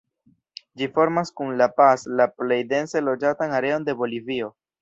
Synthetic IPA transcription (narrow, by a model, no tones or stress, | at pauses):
d͡ʒifo̞ɾmaskunlapaslaple̞jde̞nse̞lo̞d͡ʒatanaɾe̞o̞nde̞bo̞livio̞